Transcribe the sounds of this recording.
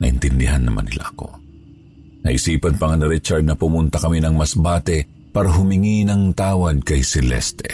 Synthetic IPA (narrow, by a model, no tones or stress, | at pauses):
nɐʔɪ̰nt̪ɪnd̪ɪɦanːɐma̰nːɪla̰ʔɐko̞̰ | nɐ̰ʔɪsiːpɐnpɐŋɐnɾit͡ʃɐɾd̪̚nɐpʊmʊnt̪ɐkɐminɐŋmɐsbaːt̪ɛ | paːɾɐɦʊmɪŋinɐŋt̪aːwɐd̪̚kɐjsɛlɛ̰st̪ɛ̰